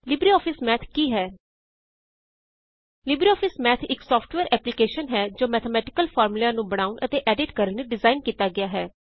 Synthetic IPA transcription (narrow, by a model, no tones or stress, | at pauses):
lɪbɾiːɔːpʰɪsmɛːt̪ʰkiːɦɛː | lɪbɾiːɔːpʰɪsmɛːt̪ʰɪksɔːpʈʋɛːɾʔɛːplɪkeːʃənɦɛːd͡ʒoːmɛːt̪ʰəmɛːʈɪ̥kəlpʰɔːɾmɪlãːnũːbəɽ̃aːʊnʔət̪eːʔɛːɖɪʈkəɾənneɖɪzaːɪnkiːt̪aːɡɪjaːɦɛː